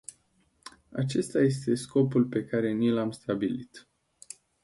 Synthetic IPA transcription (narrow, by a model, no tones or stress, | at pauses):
a̰t͡ʃe̞st̪aje̞st̪e̞sko̞pulpe̞kaɾe̞nilamst̪abilit̪